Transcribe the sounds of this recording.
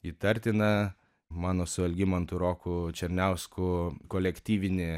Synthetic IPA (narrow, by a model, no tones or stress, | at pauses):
iːt̪ɐɾʲt̪ʲɪnɐ | mɑːnoːsʊɐlʲɡʲɪmɐnt̪ʊɾoːkut͡ʃʲɛɾʲnʲɛʊskʰʊkolʲɛkʲt̪ʲiːʋʲɪnʲɪ